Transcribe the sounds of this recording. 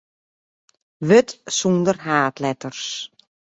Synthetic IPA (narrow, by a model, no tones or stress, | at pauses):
ʋøtsundərɦaːtlɛtərs